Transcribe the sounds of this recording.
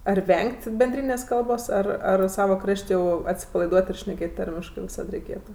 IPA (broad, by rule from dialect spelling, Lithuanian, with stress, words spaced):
ɐr ˈʋʲɛŋʲkʲtʲ bʲɛnʲˈdʲrʲiːnʲeːsʲ ˈkɐlˠboːs ˈɐr ɐr ˈsɑːʋɐ ˈkrɐʃʲtʲ jɛʊ ɐtʲsʲɪpɐlˠɐɪˈduɔt ɪr ʃʲnʲɛˈkʲeːt ˈtɐrʲmʲɪʃkɜ ʋʲɪˈsɐt rʲɛɪˈkʲeːtʊ